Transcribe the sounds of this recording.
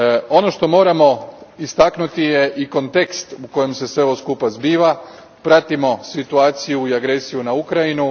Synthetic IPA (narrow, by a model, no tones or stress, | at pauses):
o̞no̞ʃt̪o̞mo̞ːɾamo̞ist̪aknut̪ijeʔiko̞nt̪e̞kst̪uko̞je̞mse̞sʋe̞oskupazbiːʋa | pɾat̪imo̞sit̪uaːt̪sijuiaɡɾe̞sijunaukɾajinu